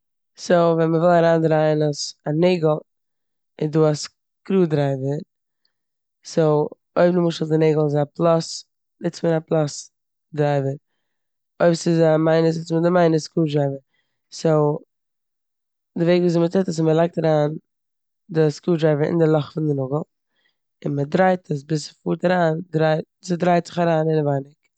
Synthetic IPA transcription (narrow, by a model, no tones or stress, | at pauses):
soʊvɛnməvɪlˠaɾaːndɾaɪənɔsaneɪɡəl̩ˠ | ɪnduːas | kɾuːdɾaɪvəɾ | soʊ | oɪbnɪmʊʃəlˠdɪneɪɡəl̩ˠɪzaplˠas | nɪt͡smənaplˠas | dɾaɪvəɾ | oɪbsɪzamaɪnəs̬ɪt͡smədɪmaɪnəskuːdɾaɪvən | soʊ | dɪveɪkviːzɪmətɛtəs̬ɪməlˠaɪk̚taɾaːn | dɪskuːdɾaɪvənɪ̰ndɪɾlˠɔχfɪndɪnʊɡl̩ˠ | ɪnmədɾaɪtʰəs̬bɪsfuːɾtaɾaːndɾaɪ | sɪdɾaɪtz̥ɪχaɾaːnɪnvaɪnɪk